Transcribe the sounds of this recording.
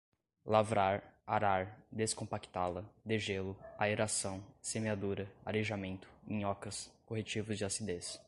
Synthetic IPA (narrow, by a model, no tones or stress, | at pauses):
lavɾaɾaɾaɾd̪eskõpaki̥t̪alɐd̪eʒelʊaeɾasɐ̃w̃semead̪uɾɐaleʒamẽnt̪ʊ̥ḛ̃j̃ɔkɐskoɦet͡ʃivʊzd͡ʒɪasid̪es